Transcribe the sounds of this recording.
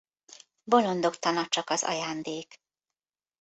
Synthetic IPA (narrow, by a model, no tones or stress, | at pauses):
bo̞lo̞nd̪o̞kt̪ɒnɒt͡ʃɒkɒzɒ̰jaːnd̪eːk